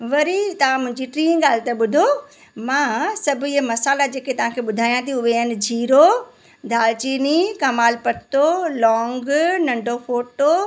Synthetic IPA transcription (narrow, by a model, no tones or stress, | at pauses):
ʋɐɾit̪ɐʋãmʊ̃ɦɪ̃ɲd͡ʑiʈɾĩːnɡaːl̤ɪt̪eɓʊd̪ʱo | mãːsɐbʱʊiɦəmɐsaːlad͡ʑeːket̪ɐʋ̤ãkʰeːɓʊd̪ʱaːijãt̪ʰiʊʋeənɪ̆d͡ʑʱiːɾo | d̪ʱaːlt͡ɕiːnikɐmaːlpɐɾt̪olɔ̃ːŋɡnɐ̃ɳɖʱofoːʈo